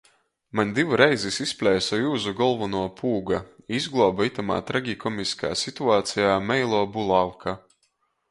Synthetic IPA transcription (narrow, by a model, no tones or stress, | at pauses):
maɲʲd̪ivuɾɛjzisispʲlʲɛjsɔjuːzuɡɔlˠvunuɔpʰuːɡaizɡlˠɔːbait̪ama̰ːt̪ɾaɡʲikɔmiskʰa̰ːsit̪uaːt̪sijaːmɛjlˠɔːbulˠalkʰa